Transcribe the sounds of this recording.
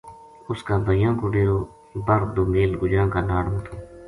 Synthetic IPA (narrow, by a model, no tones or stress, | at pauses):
ʊskaːbəjãːkoːɖeːɾoː | bəɾd̪oːmeːlɡʊd͡ʒãːkaːnaːɽmt̪ʰoː